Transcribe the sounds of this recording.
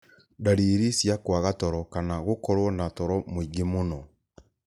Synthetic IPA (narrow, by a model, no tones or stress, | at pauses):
daɾiɾisjakwaɣatɔɾɔkanaɣokɔɾwɔnatɔɾɔmoiɡemonɔ